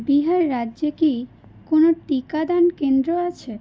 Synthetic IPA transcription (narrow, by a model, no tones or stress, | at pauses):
biɦaɾːadːʑeki | konoʈikad̪ankend̪ɾoat͡ɕʰe